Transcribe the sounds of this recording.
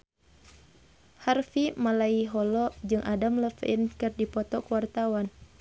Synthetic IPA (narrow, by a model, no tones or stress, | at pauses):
harfimalaiɦɔlɔd͡ʒɨŋʔadamləfinkɨrdipɔt̪ɔkuwart̪awan